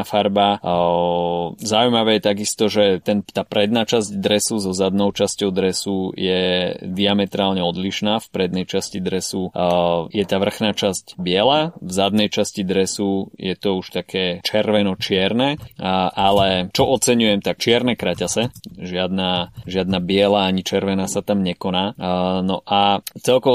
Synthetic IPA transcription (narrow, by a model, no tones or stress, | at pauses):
afaɾba | zaujmaʋɛːjɛt̪aɡist̪ɔʒɛt̪ɛnt̪aːpɾɛd̪̚naːt͡ʃazɟd̪ɾɛsuzɔzad̪nɔʊt͡ʃascɔʊd̪ɾɛsujɛd̪iamɛt̪ɾaːlɲɛɔd̪liʃnaːfpɾɛd̪nɛjt͡ʃascid̪ɾɛsujɛt̪aːʋr̩xnaːt͡ʃazɟbɪɛlaːvzad̪nɛjt͡ʃascid̪ɾɛsujɛt̪ɔuʃt̪akʰɛːt͡ʃɛɾʋɛnɔt͡ʃɪɛɾnɛːʔalɛt͡ʃɔʔɔt͡sɛɲujɛmt̪ak̚t͡ʃɪɛɾnɛkɾacasɛʒɪad̪naːʒɪad̪nabɪɛlaaɲit͡ʃɛɾʋɛnaːsat̪amɲɛkɔnaːnɔʔat͡sɛlkɔ